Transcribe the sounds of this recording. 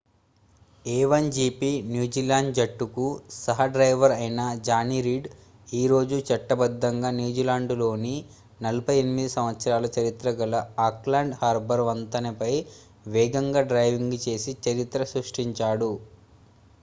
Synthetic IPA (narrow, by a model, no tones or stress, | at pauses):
ɛːʋɐnd͡ʒiːpinjuːd͡ʒiːlaːɳɖd͡ʒɐʈːukusɐɦɐɖɾɐjʋɐɾɐjnɐd͡ʒaːniɾiːɖ | iːɾo̞ːd͡ʒut͡ʃɐʈːɐbɐd̪ːɐŋɡaːnjuːd͡ʒilaːɳɖlo̞ːni | nɐlɐpɐjenimid̪isɐmʋɐt̪sɐɾaːlɐt͡ʃɐɾit̪ɾɐɡɐlɐaːklaːɳɖhaːɾbɐɾʋɐnt̪ɐnipɐj | ʋɛːɡɐŋɡaːɖɾɐjʋiŋɡut͡ʃe̞ːsit͡ʃɐɾit̪ɾɐsɾuʂʈiɲt͡ʃaːɽu